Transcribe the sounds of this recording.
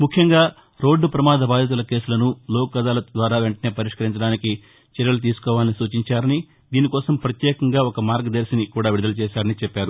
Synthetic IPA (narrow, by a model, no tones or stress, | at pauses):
mukʰjɐŋɡaː | ɾo̞ːɖːpɾɐmaːd̪ɐbaːd̪ʱɐt̪̬ulɐke̞ːsulɐnuloːkːɐd̪aːlɐd̪ʋaːɾaːʋeɳʈɐne̞ːpɐɾiʂkɐɾiɲt͡ʃɐɽaːniki | t͡ʃɛɾjɐlɐt̪̬iːsu̥kɔːʋaːlinisuːt͡ʃiɲt͡ʃaːɾɐni | d̪iːnikɔːsɐmpɾɐt̪jɛːkɐŋɡaːɔkɐmaːɾɡd̪ɐɾsinikuːɽaːʋiɾud̪ɐlɐt͡ʃɛːʃaːɾɐnit͡ʃɛpːaːɾu